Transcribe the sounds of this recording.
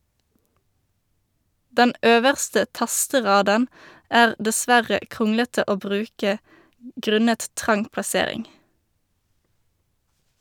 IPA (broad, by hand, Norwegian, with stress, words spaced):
ˈdɛn ˈʔøːʋəʁstə ˈtɑstəˌʁɑːdən ˈæːʁ dəˈsʋæʁə ˈkʁʊŋlətə ˈoː ˈbʁʉːkə ˈɡʁʉnət ˈtʁɑŋ plɑˈseːʁɪŋ